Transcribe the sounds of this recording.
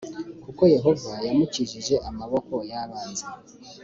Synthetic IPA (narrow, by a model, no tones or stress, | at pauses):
kuko̞je̞ɦo̞vajamuciʒiʒe̞ʔamaβo̞ko̞jaβaːnze